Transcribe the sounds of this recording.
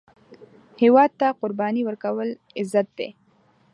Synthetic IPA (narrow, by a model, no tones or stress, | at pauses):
hewɑd̪̚t̪aqʊɾbɑniwəɾkawəl | ɪzat̪̚d̪ḛ